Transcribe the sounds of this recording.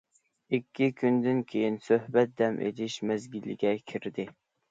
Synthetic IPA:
ikʲːikʲʰynd̪ɪnkʲʰejinsøhbɛt̪̚d̪ɛmʔḛlɪʃmɛzɡʲilːɪ̰ɡʲɛkʲʰiɾd̪ɪ

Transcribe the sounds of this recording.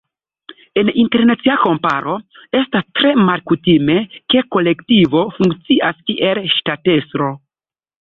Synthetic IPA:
e̞ninte̞ɾnat͡siako̞mpa̰ɾʔoe̞stastɾe̞malkutime̞ke̞ko̞le̞ktivo̞fuŋkt͡siʔaskiʔe̞lʃtate̞stɾo̞

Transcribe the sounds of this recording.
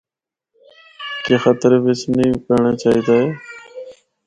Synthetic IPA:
keːxət̪əɾʋɪsniːkəɾɳeːt͡ʃaːɦiːd̪aːɦeː

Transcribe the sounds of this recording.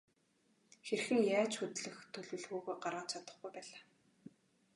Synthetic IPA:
xerxɘ̆ŋjaːt͡ɕxɵt̪ɮɘ̆xt̪ʰɵɮwɘ̆ɮxuːɣoːɢarʁaːt͡ɕʰat̪ə̆χɡujpæːɮaː

